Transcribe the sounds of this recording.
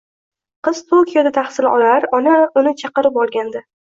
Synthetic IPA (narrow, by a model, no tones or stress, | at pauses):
qɨz̥t̪ʰokʲʰijod̪at̪ʰaχsɪlʔɒlaɾɒnaʊnɪt͡ʃʰɑqɨɾɪpɒlˠɡʲand̪ɪ